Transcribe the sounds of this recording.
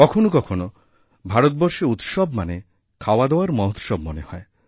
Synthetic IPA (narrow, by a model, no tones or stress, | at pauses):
kɔkʰonokɔkʰono | bʱaɾot̪̚bɔɾʃiut̪ʃɔbmane | kʰawad̪ewaɾmɔɦt̪ʃɔbmonehɔe